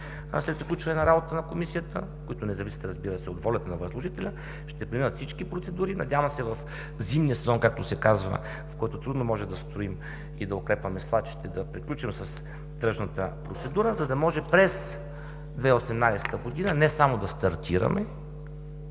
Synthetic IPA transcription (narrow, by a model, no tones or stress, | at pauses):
slɛt̪̚pɾiklʲut͡ʃvɐnɛnɐɾabot̪t̪ənɐkomisijət̪əkoit̪ʊnɛzɐvisi̥t̪ɾɐzbiɾəsɛod̪vɔlʲɛt̪ɛnɐvəzlˠoʒit̪ɛlʲə | ʃt̪ɛpɾiminət̪fsit͡ʃkipɾot̪sɛd̪uɾinɐ̰dʲjavɐmsɛvɐf | zimnijəsɛzɔnkak̚t̪osɛkazvə̰ | fkɔjt̪ot̪ɾud̪nomɔʒɛmd̪ɐst̪ɾoim | id̪ɐokɾɛpvɐmɛslˠat͡ʃi̥t̪ɛd̪ɐpɾiklʲut͡ʃimsəs | t̪ɾɤʃnət̪əpɾot̪sɛd̪uɾəzɐd̪ɐmɔʒɛpɾɛs | d̪vɛosɛmnajsɛ̥t̪əɡod̪inənɛsamod̪ɐst̪ɐɾt̪ʰiɾə̰mʔɛ